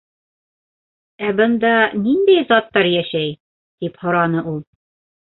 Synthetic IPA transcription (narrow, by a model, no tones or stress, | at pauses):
æbɤ̆nd̪ɑnind̪æjzɑt̪ːɑɾjæʃæj | d̪̥iphŏɾɑnɤʔulˠ